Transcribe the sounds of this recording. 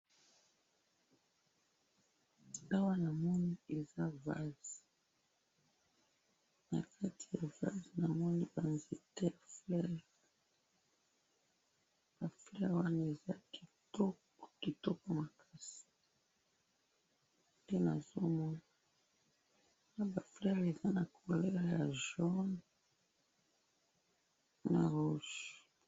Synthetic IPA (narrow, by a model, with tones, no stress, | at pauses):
a˦wa˦na˨mɔ˦ni˦e˨za˦va̰˦zi˨ | na˨kʰa˦tʰi˦˨ja˨va̰˦zi˨na˨mɔ˦ni˦ba˨nzi˨te˦a˨flɛ˦ʁ | b̥a˨flɛ˦ʁwa˦n˨e˨za˦ki˨tɔ˦˨ | ki˨tɔ˦kɔ˨ma˨kʰa˦si̥˨ | pe˦na˨zo˦mɔ˦na˨ | a˦ba˨flɛ˦ʁe˨za˦na˨kʰo˨lɛ˦ʁa˨ja˨ʒɔ˦n | na˨ʁu˦ʃ